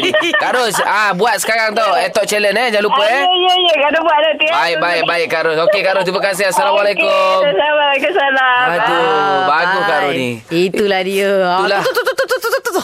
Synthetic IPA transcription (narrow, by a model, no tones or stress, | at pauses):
kaɾʊsabuat̪̚sə̥kaɾaŋt̪oet̪ɔʔt͡ʃɛlənɛd͡ʒalupəɛjəijəkadʊbuat̪̚dat̪ibaik̚baɪk̚baɪkkːaɾʊsokekaɾʊst̪imakas̬ɪɦasalamalekʊmsaamalakʊsalaat̪ubaɡʊhkaɾʊni | it̪ulahdiəulah